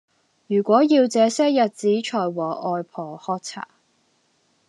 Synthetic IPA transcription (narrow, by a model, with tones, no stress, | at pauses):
jyː˨˩kʷɔː˨˥jiː˧wt͡sɛː˨˧sɛː˥jɐ˨t̚t͡siː˨˥t͡ʃʰɔː˨˩jwɔː˨˩ʔɔː˧jpʰɔː˨˩hɔː˥k̚t͡sʰa̰ː˨˩